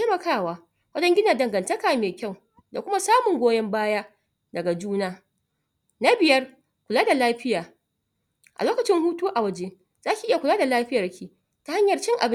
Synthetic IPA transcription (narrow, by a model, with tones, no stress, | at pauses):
e˦mɐ˨kaː˦˨waː˦ | wɐ˦d͡ʒɐ˦ŋɡʲɪ˦na˨dɐ˨ŋɡɐ˨ntɐ˦kaː˨meː˨kʲa˦˨w | da̰˨kʷʊ˦ma˦saː˦mʊ˨ŋɡʷoː˦jɛ˦mbaː˦jaː˦ | dɐ˨ɡa˨d͡ʒuː˦naː˦ | na˦bɪ˨jɐ˦r | kʷʊ˨laː˦da˨laː˦ɸɪ˦jaː˨ | ʔa̰˨loː˦kɐ˨t͡ʃɪ˦ŋhuː˦toː˦ʔa˨wɐ˦d͡ʒeː˦ | z̥aː˦kʲi˨ʔɪ˦ja˨kʷʊ˨laː˦da˨laː˦ɸɪ˦jɐ˨rkʲiː˦ | ta˨˦ha˦ɲjɐ˨rt͡ʃɪ˦ŋʔa̰˨bɪ˦